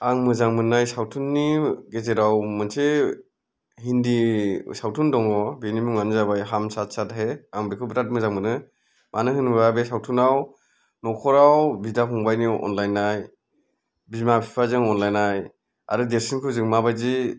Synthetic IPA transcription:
aŋmɯzaŋmɯnːajsawtʰunːiɡezeɾawmɯnse | hindisawtʰundɔŋɔbenimuŋmanizabajɦamsatsatɦeaŋbekʰɯbɾat̚mɯzaŋmɯnɯ | manɯhɯnbɯbabesawtʰunaw | nɔkʰɔɾawbidaɦɔŋbajniɔ̰nlajnːaj | bimapʰi̥pʰazɯŋɔnlajnaj | a̰ɾɯdesinkʰɯzɯŋmabajzi

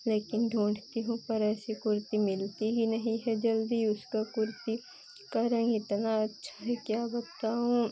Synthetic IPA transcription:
leːkɪnɖʱõːɳɖt̪iɦũpɐɾɛːsikʊɾt̪imɪlt̪iɦinɐɦĩɦɛd͡ʒɐld̪iʊskakʊɾt̪i | kɐɾə̃ŋɡɪt̪naɐtːʃʰḁɦɛkjaːbɐt̪aɦũ

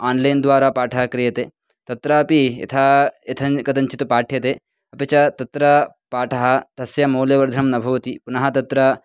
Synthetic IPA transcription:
aːnlɐjnd̪ʋaːɾaːpaːʈʰɐɦɐkɾijɐt̪eː | t̪ɐt̪ɾɐːpiḛt̪ʰaːet̪ʰɐkɐd̪ɐɲt͡ʃit̪upaːʈʰjɐt̪eː | ɐpɐt͡ʃɐt̪ɐt̪ɾɐ | paːʈʰɐɦɐ̆t̪ɐsjɐmoːljɐʋɐɾd̪ʱɐnɐmnɐbʱɐʋɐt̪ipunɐɦɐt̪ɐt̪ɾɐ

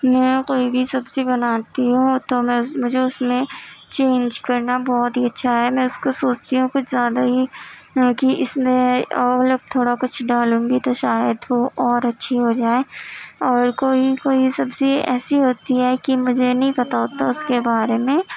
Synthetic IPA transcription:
mɛ̃ːkoːibʱisɐbsibɐnaːt̪iɦũt̪omɛ̃mʊd͡ʒʱeʊsmẽt͡ʃeːnd͡ʒkɐɾnabɔːt̪ɦiɐtːʃʰaɦɛmɛ̃ʊskosoːt͡ʃt̪iɦũkʊt͡ʃʰzjaːd̪aɦi | kiʔɪsmẽloːk̚t̪ʰoːɽakʊt͡ʃʰɖaːlũːŋɡit̪oʃaːjəd̪ʋoʔɔːɾɐtːʃʰiɦod͡ʒaːeːɔːɾkoːikoːisɐbseɛ̰ːsiɦoːt̪iɦɛkimʊd͡ʒʱenɐɦĩpɐt̪aɦoːt̪aʊskebaːɾemẽ

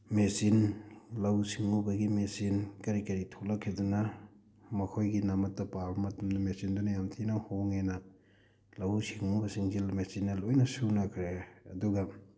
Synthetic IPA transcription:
mesinlɐwsiŋubɐɡimesinkɐɾikɐɾitʰolɐkʰːidunɐ | mɐkʰojɡinɐmɐtːɐpaɾbɐmɐtumdɐmesindunɐjamtʰinɐhoŋenɐ | lɐwsiŋubɐsiŋzimesinːɐlojnɐsunɐkʰɾeɐ̰duɡɐ

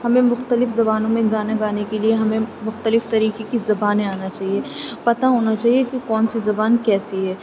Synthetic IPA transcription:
hɐmẽmʊxt̪əlɪfzɐbaːnõmẽɡaːnaɡaːnekelieɦɐmẽmʊxt̪əlɪft̪ɐɾiːkekizɐbaːnẽaːnat͡ʃaːɦiepɐt̪aɦoːnat͡ʃaːɦiekekɔːnsizɐbaːnkɛːsiɦɛː

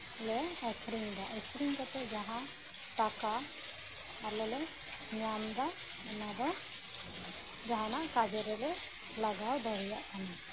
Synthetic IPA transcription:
lɛɛkʰɾiŋd̪aʔɛkʰɾiŋd̪at̪ɛd͡ʒaɦã | ʈakaː | ɾlɛlɛ | ɲwamd̪a | ɛnad̪ɔ | d͡ʒaɦanaʔkad͡ʒɛɾɛlɛ | laɡawd̪ɔɾɛjaʔkana

